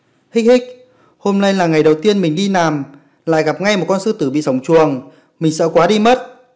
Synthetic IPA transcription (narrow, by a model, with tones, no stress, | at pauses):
hï˦˥k̟̚hï˦˥k̟̚ | ho˧mna˧jlaː˨˩ŋa˨˩jɗə˨˩wt̪i˧ənmï˨˩ŋ̟ɗi˧naː˨˩m | la̰ː˧˨jɣa˨˩p̚ŋa˧jm˨˩t̚kɔ˧nsɨ˧t̪ɨ˨˦ɓḭ˧˨sa˨˦wŋ͡mt͡ɕu˨˩əŋ | mï˨˩ŋ̟sə̰˧˥kwaː˨˦ɗi˧mə˦˥t̚